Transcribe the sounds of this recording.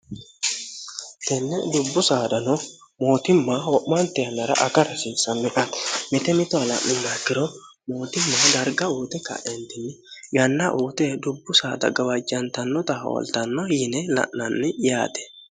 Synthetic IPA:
t̪ɛnːɛd̪ʊbːʊsaːd̪ɐnɔmo̞ːt̪ɪmːawɔʔmːɐnt̪ɛjɐnːɐɾɐ̰ʔɐkɐɾɐsɪnsːɐmːɪʔat̪mɪt̪ɛmɪt̪ɔɐlɐ̰ʔɪmːakːɪɾɔ | mo̞ːt̪ɪmːad̪ɐɾɡɐuːt̪ɛkɐ̰ʔɛnt̪ɪnːɪ | ɡɐnːɐʔuːt̪ɛd̪ʊbːʊsaːd̪ɐ̰ɡɐwɐd͡ʒɐnt̪ɐnːɔt̪ɐ̰ɔ̰lt̪ɐnːɔjɪnɛlɐ̰ʔːɐnːɪja̰ːt̪ɛ̥

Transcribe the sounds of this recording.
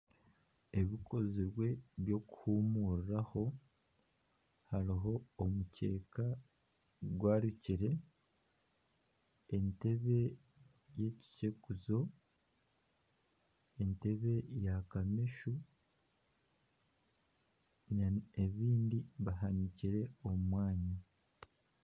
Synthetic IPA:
e̞βiko̞ziɾwe̞βjo̞ku̥huːmuɾiɾaho̞ | haɾiɦo̞ːmuce̞ːka | ɡwaːɾiciɾe̞ | ente̞βe̞ | je̞ci̥cekuzo̞ | ente̞βe̞jakamiʃu | nae̞βiːndiβaɦaniciɾe̞o̞mumwaːɲi

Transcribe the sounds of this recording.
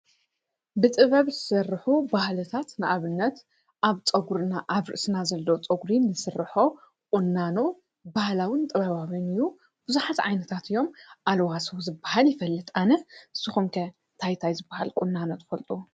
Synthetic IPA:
bɨt̪ʼɨβɐβzɨsɐrːɨħubahlɨt̪ʰat̪nɨʔaβɨnːɐt̪ | ʔaβt͡sʼɐɡuɾɨnaʔaβɾɨ̰ʔsɨnazɐlːot͡sʼɐɡɾinːɨsɨrːɨħo̞ | kʼʊnːano | bahlawint̪ʼɐβaβaβinɨjːu | b̥ɨzuħat̪ʕa̰jnɐt̪ʰat̪ʰɨjːo̞mʔalwasozɨbːahaljɪfɐlːɨt̪ʰʼanɐɨsːɨxumkʰɐ | t̪ʰajt̪ʰajzɨbːaha̰lkʼʊnːanot̪ʰɨ̥fɐlt̪ʼu

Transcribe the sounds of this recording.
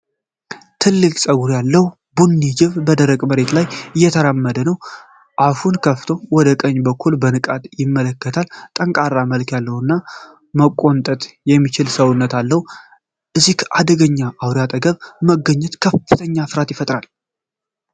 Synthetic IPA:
t̪ʰɨlːɨkʼsʼəɡuɾjalːəhu | bunːid͡ʒɪβbəd̪əɾəɡʼməɾe̞t̪lajɨjːɛt̪ʰəɾamːəd̪ənəw | ʔafunkʰəft̪ʰo̞wɔd̪əkʼəɲːbəkʰːulbənɨkʼat̪jɪmːələkːət̪ʰalt̪ʼəŋkʼaɾːaməlkjalːəhunːa | məkʼːo̞nt̪ʼət̪ʼjɛmːit͡ʃɪlsəwʊnːət̪alːəhu | ʔɨzikʰʔad̪əɡəɲːaʔawɾjat̪ʼəɡəβməɡəɲːɛt̪kʰəfːɨt̪ʰəɲːasɨɾat̪jɪfət̪ʼɾal

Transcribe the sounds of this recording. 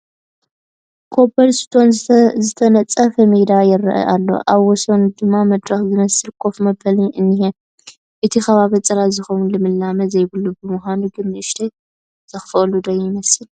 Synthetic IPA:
kʰo̞bɐɾst̪ʰo̞nzɨt̪ʰɐnɐt͡sʼɐfɐmid̪ajɪrːɐ̰ʔɐ̰ʔalːo̞̰ʔaβwɔsond̪ɨmːamɐd̪ɾɐxzɨmɐsɨlkʰo̞fmɐbɐliʔɨnːihe | ʔɨt̪ʰixɐβaβɐt͡sʼɐɾazɨxɐwunlɨmɨlːamɐzɐjbɨlːubɨmuhanuɡɨnːɨʃt̪ʰɐj | z̥ɐxɨfɐlud̪ɐjɪmɐsɨl

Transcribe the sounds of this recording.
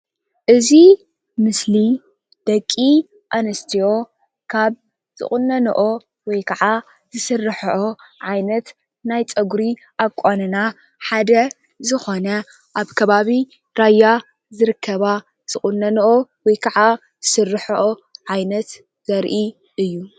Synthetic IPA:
ʔɨzi | mɨsli | d̪̥ɐkʼːi | ʔanɐst̪ʰijo̞ | kʰaβ | zɨ̰χʼunːɐnɐ̰ʔo | wɔjkʰɐʕa | z̥ɨsɨrːɨħʔoʕajnɐt̪ | najt͡sʼɐɡɾi | ʔakʷʼanɨna | ħad̪ɐ | zɨxo̞nɐ | ʔaβkʰɐβaβi | ɾajːa | zɨɾɨkʰːɐβa | z̥ɨχʼunːɐnɐʔowɔjkʰɐʕa | zɨsɨrːɨħoʔoʕajnɐt̪ | z̥ɐɾʔi | ɨjːu

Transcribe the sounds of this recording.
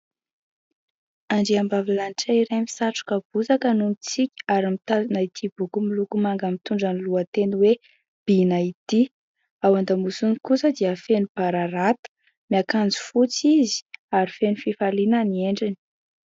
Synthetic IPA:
aɳɖ͡ʐiambavilanʈ͡ʂaiɾami̥saʈ͡ʂu̥kəb̥uzakənunit͡sikʲi̥aɾimit̪anait̪ʰibukumilukumaŋɡəmit̪uɳɖ͡ʐaniluət̪enwe | b̥inait̪i | awand̪amusunikusəd̪iəfenub̥aɾaɾat̪ə̥ | miakand͡zu̥fut͡sizi̥aɾifenufifalinanieɳɖ͡ʐini̥

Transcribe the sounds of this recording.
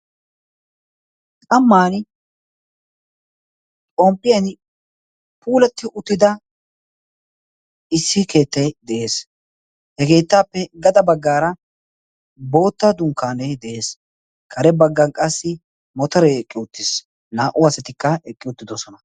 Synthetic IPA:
kʼɐmːaːn | t͡ʃʼɔmpʼːɪjɐn | pʰuːlɛt̪ːɪʔʊt̪ːɪd̪ɐ | ɪsːɪke̞ːt̪ːɐjd̪ɛʔe̞ːs | hɛke̞ːt̪ːaːpːɛɡɐd̪ɐbɐɡːaːɾɐ | bo̞ːt̪ːad̪ʊŋkːaːnɛjd̪ɛʔe̞ːs | kʰɐɾɛbɐɡːɐnkʼɐsːɪ | mɔt̪ɔɾɛɛkʼːɪʊt̪ːɪs | naːʔʊɐsɛt̪ɪkːɐɛkʼːɪʊt̪ːɪd̪ɔsɔnɐ

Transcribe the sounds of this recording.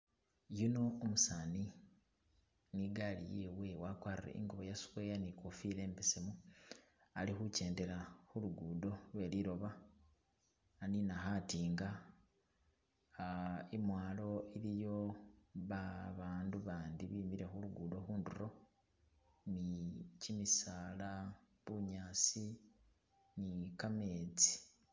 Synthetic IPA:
juno̞ːmusaːni | niɡalḭjewewakwaːrirḛʔḭŋɡoβojasu̥kwe̞ːjanikofile̞ːmpesemu | alixuce̞ːnde̞ɾaxuluɡuːdo̞lwe̞ːliɾo̞βa | aninaxatiːŋɡa | imwaːlo̞ilijo̞βaβaːnduβaːndiβiːmiɾe̞xuluɡuːdo̞xuːnduro̞ | nicimisaːla | βuɲaːsi | nikame̞t͡si̥

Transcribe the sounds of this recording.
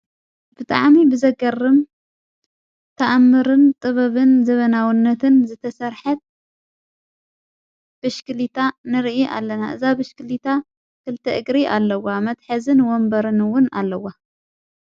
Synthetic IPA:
b̥ɨt̪ʼa̰ʕmibɨzɐɡɐrːɨm | t̪ʰɐʔamːɨɾɨnt̪ʼɨβɐβɨnzɐβɐnawinːɐt̪ʰɨnzɨt̪ʰɐsɐɾħɐt̪̚ | b̥ɨʃkʰɨlit̪ʰanɨɾʔiʔa̰lːɐna̰ʔɨ̰zabɨʃkɨlit̪ʰa | kʰɨlt̪ʰɐʔɨɡɾiʔalːɐwamɐt̪ħɐzɨnwɔmbɐɾɨnɨwːʊna̰lːɐwa

